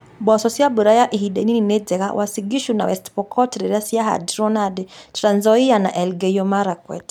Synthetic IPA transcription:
basɔsiabuɾajaʔihiɗɛnininɛd͡zɛɣawʔasiɡiʃuna̰wɛstpɔkʰɔtɾɛɾasiaɦa̰dɾɔnadtɾanzɔiana̰ʔɛlɡɛjɔmaɾakwɛ̰t

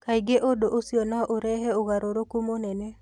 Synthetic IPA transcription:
kajɡeʔodoʔosionaʔoɾɛɦɛoɣaɾoɾokumonɛnɛ

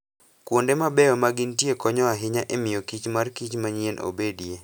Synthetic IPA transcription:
kwondemabɛɔmaɡɪntjekɔɲɔaɦɪɲaʔemɪjokit͡ʃmarkit͡ʃmaɲienʔo̰bedie

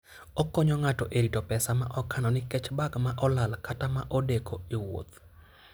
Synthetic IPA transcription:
ɔkːɔɲɔŋatɔʔeɾitɔpɛsamaʔɔkanɔnɪkɛt͡ʃbaɡmaʔɔlalkatamaʔodekʰoiwo̰t̪

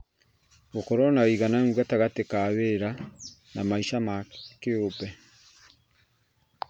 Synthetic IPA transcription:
okɔɾɔnawiɣanaŋɡwataɣatekaβeɾa | namaiʃamakeopɛ

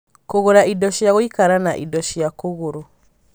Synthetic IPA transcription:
koɣoɾaʔidɔʃijaɣoikaɾanaʔidɔʃijakoɣoɾo

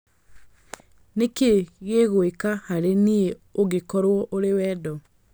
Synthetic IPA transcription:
nekeɣeɣoekahaɾenie | oɣekɔɾwɔʔoɾewɛːdɔ

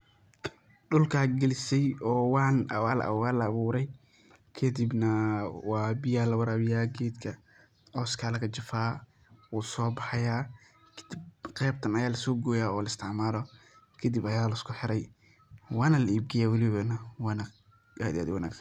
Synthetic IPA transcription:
ɖʊlkʰaːɡɛlɪsɛjɔːwɑːnwaːlɐ̰ʔaːlɐːβuːɾɛj | kʰɐd̪ɪbnɐwɑːbɪjaːlɐwɐɾaːβɪjaːɡɛːd̪kʰɐ | ʔɔːskʰaːlɐkʰɐt͡ʃɪfaː | wuːsɔːbɑħɑjaː | kʰd̪ɪbqɛːb̚t̪ʰɐnɐjaːlɐsɔːɡɔːjaːɔːlɐɪst̪ʰɪʕmaːlɔ | kʰɐd̪ibɐjaːlɐɪskʰʊħɪɾɛj | wɑːnɐlɐiːb̚ɡɪjaːwɑlɪβɐnɐwɑːna | ʔaːd̪ɪa̰ːd̪wɐna̰ːɡ

